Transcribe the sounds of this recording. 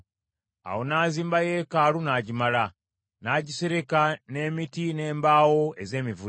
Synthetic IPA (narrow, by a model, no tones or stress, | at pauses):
a̰wo̞naːziːmbaje̞ːkaːlunaɟimala | naːɟise̞ɾe̞kane̞ːmitine̞ːmbaːwo̞e̞ze̞ːmivu